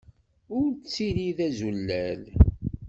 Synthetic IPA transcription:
ʊɾt͡sːiɾiðæzulːæl

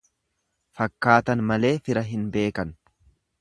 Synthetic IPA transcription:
fɐkːaːt̪ɐnmɐle̞ːfɪɾɐɦɪnbe̞ːkɐn

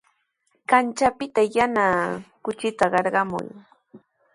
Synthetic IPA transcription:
kant͡ʃapɪt̪ajanaːkʊt͡ʃɪt̪aɢɑɾɢɑmʊ̰j

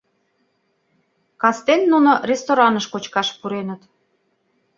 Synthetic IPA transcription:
kɑst̪enːunorʲest̪oɾɑnəʃkot͡ɕkɑʃpuɾenət̪

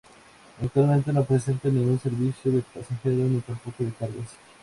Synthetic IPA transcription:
akt̪walmẽnt̪enopɾese̞nt̪anĩŋɡunse̞ɾβisjoðepasaxeɾonit̪ampokoðekaɾɣas

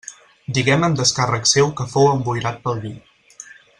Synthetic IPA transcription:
d̪iɣɛməmd̪əskarəksewkəfowəmbujɾat̪̚pəlˠβi

